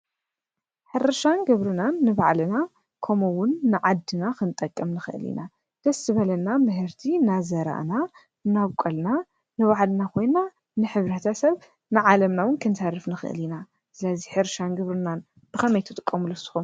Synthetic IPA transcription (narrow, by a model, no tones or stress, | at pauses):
ħɨɾɨʃanɡɨβɾɨnanːɨβaʕlɨna | kʰɐmowʊnːɨʕad̪ːɨnakɨnt̪ʼɐkʼːɐmnɨxɨ̰ʔɨ̰lḭna | d̪̥ɐsɨβɐlɐnamɨɦɨɾt̪ʰinazɐɾa̰ʔna | nːaβkʷʼɐlna | nɨβaʕlɨnakʰo̞jna | nɨħɨβɾɐt̪ʰɐsɐβ | nɨʕalɐmnawʊnkʰɨnsaɾɨfnɨxɨ̰ʔɨ̰lina | sɨlɐziħɨɾʃanɡɨβɾɨnan | b̥ɨxɐmɐjt̪ʰɨt̪ʼɨkʼːɐmulusɨ̥xum